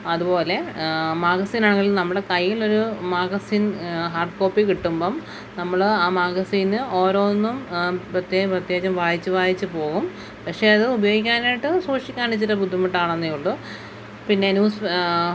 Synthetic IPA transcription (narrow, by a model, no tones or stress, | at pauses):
ɐðupo̞ːle̞maːɡɐsiːnaːɳɐɣiɭilnɐmːɐɨɽe̞kɐjːilo̞ɾumaːɡɐsiːnɦaːrɖko̞ːpːikiʈːumboːm | nɐmːɐɭɨaːmaːɡɐsiːnɨo̞ːɾo̞ːnːumprɐt̪jeprɐt̪jeːd͡ʑɐmʋaːjit͡ɕːɨʋaːjit͡ɕːɨpo̞ːɣum | pɐkʂe̞ɐðɨubɐjo̞ːɡikʲːaːnaːjiʈːɨsuːʂikʲːaːnit͡ɕːiɾɐbʱud̪ʱːimɐʈːaːɳenːijuɭːu | pinːe̞ɐnjuːs